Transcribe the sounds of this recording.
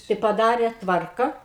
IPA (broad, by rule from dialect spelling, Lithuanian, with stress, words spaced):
tɐɪ pɐˈdɑːrʲeː ˈtʋɐrkɐ